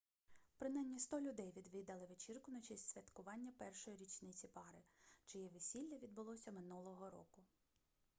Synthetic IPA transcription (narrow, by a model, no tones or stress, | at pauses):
pɾɪnɛnʲːist̪ɔlʲʊd̪ɛjʋʲid̪ʋʲɪd̪ɐlˠɪʋet͡ʃirkʊnɐt͡ʃɛsʲsʲʋʲɐt̪kʊʋɑnʲːɐpɛrʃɔjiɾʲit͡ʃnɪt͡sʲipɑɾɪt͡ʃɪjɛʋesʲilʲːɐʋʲid̪̚bʊlˠɔsʲɐmɪnulˠɔɦɔɾɔ̰kʊ